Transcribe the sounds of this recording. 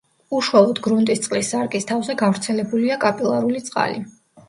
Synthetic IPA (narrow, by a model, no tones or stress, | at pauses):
uʃualˠɔd̪ɡɾunt̪ʼist̪sʼqʼlisːaɾkʼist̪ʰavzɛɡavɾt̪sʰɛlɛbuliakʼapʼilˠaɾulit̪sʼqʼa̰li